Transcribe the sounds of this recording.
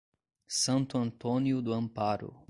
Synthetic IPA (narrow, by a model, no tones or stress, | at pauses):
sɐ̃nt̪ʊɐ̃nt̪oniʊd̪ʊɐ̃mpaɾʊ̰